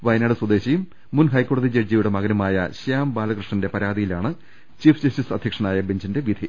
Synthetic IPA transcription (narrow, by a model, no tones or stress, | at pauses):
ʋɐjnaːɽɨswɐd̪eːɕijumː | unɦɐjkːoːɽɐðid͡ʑerd͡ʑijuɽe̞mɐɣɐnɐmaːjɐ̰ɕaːmbaːlɐɣrɨʂɳɐnde̞pɐɾaːd̪ijilaːɳɨ | t͡ɕiːfd͡ʑɐsisɐd̪ʱjɐkʂɐɳaːjɐbeɲd͡ʑinde̞ʋid̪ʱi